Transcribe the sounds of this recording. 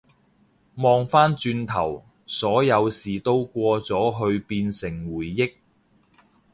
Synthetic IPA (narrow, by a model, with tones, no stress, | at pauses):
mɔː˧ŋfaː˥nt͡ʃyː˧nt̪ʰɐ˨˩w | sɔː˨˥jɐ˨˧wsiː˨˩t̪o˥wkʷɔː˧t͡sɔː˨˥ɦɵ˧ɥpiː˧nsɪ˨˩ŋwuː˨˩jːɪ˥k̚